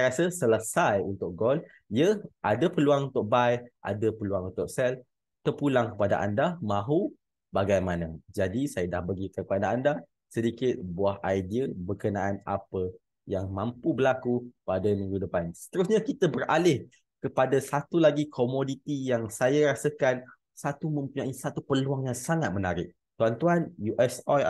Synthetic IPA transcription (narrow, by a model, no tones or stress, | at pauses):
ɾasəsələsajunt̪ʊk̚ɡɔl | ijəʔadapəluaŋunt̪ʊk̚bajʔa̰dapəluaŋunt̪ʊk̚sɛl | t̪ərpulaŋkə̥pada̰ʔa̰ndamãɦu | baɡajmanad͡ʒadisajadahbəɡikəpadaanda | sədikɪt̪̚buahajdiəbərkənaʔana̰pə | jaŋmãmpubəlakupadənɡudəpansə̥t̪əɾusɲakit̪əbərʔa̰lɪh | kəpadasat̪ulaɡikʰomodit̪ijaŋsajaɾasəkan | sat̪umə̃mpuɲãʔisat̪upəluaŋjaŋsaŋat̪̚mənaɾɪk̚ | t̪uant̪uanjuʔɛsa